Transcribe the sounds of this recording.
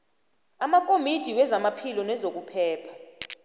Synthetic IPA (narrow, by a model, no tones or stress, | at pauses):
amakʼomid̥ʱiwɛzamapʰilɔnɛzok̬ʼupʰɛːpʰḁ